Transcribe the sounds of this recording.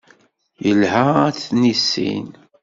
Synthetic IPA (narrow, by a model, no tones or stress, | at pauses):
jəlhaæt͡sːnisːḭn